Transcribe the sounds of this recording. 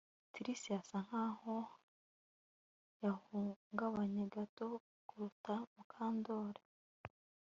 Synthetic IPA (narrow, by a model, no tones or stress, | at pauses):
tiɾisijasaŋ̥haːho | jahuːŋɡaβaɲeɡato̞ | kuɾutamukʰaːndo̞ːɾe